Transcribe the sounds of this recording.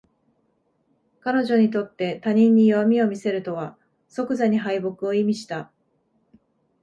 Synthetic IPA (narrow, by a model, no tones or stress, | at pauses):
kano̞ʑo̞ɲ̟it̪̬o̞t̪ːe̞t̪aɲ̟ĩɲ̟ːijo̞mʲio̞mʲise̞ɾɯ̟t̪o̞βa | so̞kɯ̟zaɲ̟iɦaibo̞kɯ̟o̞imʲiɕi̥t̪a